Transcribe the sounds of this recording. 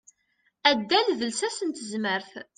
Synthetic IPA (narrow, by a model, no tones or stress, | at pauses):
æd̪ːælðəlsæsənt̪əzməɾθ